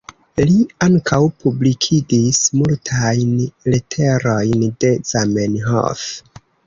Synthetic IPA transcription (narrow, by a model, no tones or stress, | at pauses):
liaŋkʰawpublikʰidismultʰajnletʰe̞ɾo̞jnde̞zamenɦo̰f